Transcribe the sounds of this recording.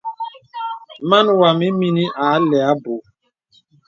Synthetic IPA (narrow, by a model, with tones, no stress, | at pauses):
ma˦nwa˨mi˦mi˦ni˦ʔa˨˦lɛ˨a˦bo˨